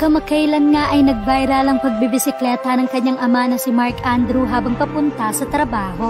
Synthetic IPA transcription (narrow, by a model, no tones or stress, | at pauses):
kɐmɐkɐjlɐŋŋaʔɐjnɐɡ̚bajɾɐlɐŋpɐɡ̚bibɪsɪklɛːt̪ɐnɐŋkɐɲːaŋɐmanɐsɪmaɹkʔand̪ɾuɦaːbɐŋpɐpʊnt̪ɐsɐt̪ɾɐbaːho̞